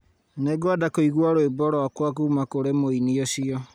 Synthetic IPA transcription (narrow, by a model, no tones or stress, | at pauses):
neɡwadakoiɣwaɾoebɔɾɔakwakuːmakoɾemoiniɔɕiɔ